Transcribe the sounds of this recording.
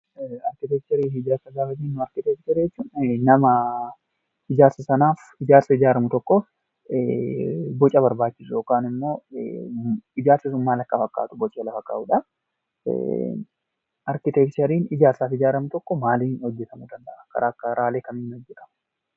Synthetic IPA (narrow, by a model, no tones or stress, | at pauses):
ɐɾkɪt̪ɛk̚t̪ɛɾiːɪd͡ʒaːɾsɐɡaːfɐt̪iːnːʊɐɾkɪt̪ɛkt̪ɛɾɛt͡ʃːuːnnɐmɐ | ɪd͡ʒaːɾsɐsɐnaːf | ɪd͡ʒaːɾsɐɪd͡ʒaːɾɐmʊt̪ɔkːɔ | bɔt͡ʃʼːɐbɐɾbaːt͡ʃːɪsʊjoːkaːnɪmːo̞ː | ɪd͡ʒaːɾsɪs̬ʊmːaːlɐkːɐfɐkʼːa̰ːt̪ʊ̥bɔt͡ʃʼːɛlɐfɐkʼːa̰ːʔuᶑɐ̰ | ʔɐɾkɪt̪ɛkt̪ɛɾiːnɪd͡ʒaːɾsaːfɪd͡ʒaːɾɐmʊt̪ɔkːɔmaːlinhɔd͡ʒːɛt̪ɐmʊd̪ɐnd̪ɐʔakɐ̰ɾʔaːkːɐɾaːleːkɐmɪnːɔd͡ʒːɛt̪ɐmʊ̥